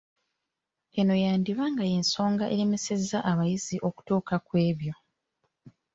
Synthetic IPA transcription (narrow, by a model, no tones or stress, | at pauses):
eno̞jaːndiβaŋɡaje̞ːnso̞ːŋɡaʔeleme̞se̞zːaʔaβajiziʔo̞ku̥tuːkakwe̞ːβjo̞